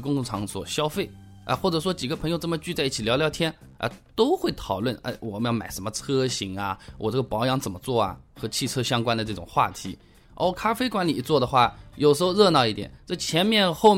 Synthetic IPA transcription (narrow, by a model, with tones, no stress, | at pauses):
kʊ˥ŋʊ˥˩ŋʈ͡ʂʰɑ˧˥ŋswɔ̰˨˩ɕjɑ˥ʊfe˥˩ɪ | ʔə̰˧xwɔ˥˩ʈ͡ʂɤ˩ʂ̬wɔ˥t͡ɕi˨˩ɡə˦pʰɤ˧˥ŋjo˧ʊʈ͡ʂɤ˥˩mə˩t͡ɕy˥˧t͡sa˥˧i˥˩t͡ɕʰi˨˩ljɑ˧˥ʊljɑ˧˥˧ʊt̪ʰjɛ˥nʔə̰˧t̪o˥ʊxwe˥˩ɪt̪ʰɑ˨˩ʊlwə˥˩nə̰˥˩wʔɔ˨˩˧jɑ˥˩ʊma̰˨˩ɪʂə˧˥nmə˧t͡sʰɤ˥ɕi˧˥ŋɐ˧wʔɔ̰˨˩ʈ͡ʂɤ˥˩ɡə˩pɑ˧˥ʊjɑ˧˥ŋt͡sə˨˩mə˦t͡swɔ˥˩ɐ̰˩xɤ˧˥t͡ɕʰi˥˩t͡sʰɤ˥ɕjɑ˥ŋkwa˥nd̪ə˨˧ʈ͡ʂɤ˥˩ʈ͡ʂʊ˨˩ŋxwa̰˥˩t̪ʰḭ˧˥ | ʔo̰˥˩kʰa˥fe˥ɪkwa˧˥nli˨˩t͡swɔ˥˩d̪ə˩xwa˥˩jo˨˩ʊʂɻ̩˧˥xʊɻɤ˥˧nɑ˥˧ʊi˥˩t̪jɛ̰˨˩˦nʈ͡ʂɤ˥˩t͡ɕʰjɛ˧˥nmjɛ˥˧nxo˥˧ʊ